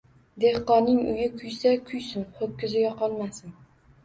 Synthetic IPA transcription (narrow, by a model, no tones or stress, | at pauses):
d̪e̞hqɒnːɪŋʊ̰jɪkʲʰʊjsakʲʰʊjsɪnhokʲːɪzɪjʲaqʰɒlˠmasɪn